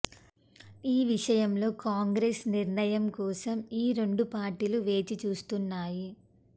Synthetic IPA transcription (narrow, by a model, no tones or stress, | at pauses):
iːʋiʂɐjɐmlo̞ːkaːŋɡɾesniɾnɐjɐmkɔːsɐmiːɾe̞ɳɖupaːɾʈiːluʋe̞ːt͡ʃit͡ʃuːst̪unːaːji